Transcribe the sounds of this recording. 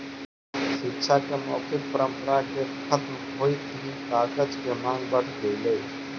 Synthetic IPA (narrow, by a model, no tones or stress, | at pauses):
ʃɪkːʃʰakemɔːkɪt̪̚pəɾə̃mpəɾakekʰət̪m | ɦoːit̪ːɦĩkaːkəd͡ʒkemãːŋɡbəɽ̤ɡɐilɐi